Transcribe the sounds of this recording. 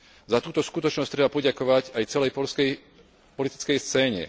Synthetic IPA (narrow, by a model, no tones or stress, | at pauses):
zat̪uːt̪ɔskut̪ɔt͡ʃnɔst̪ɾɛbapɔɟakɔʋacajt͡sɛlɛjpɔlskɛj | pɔlit̪i̥t͡skɛjst͡sɛːɲɛ̰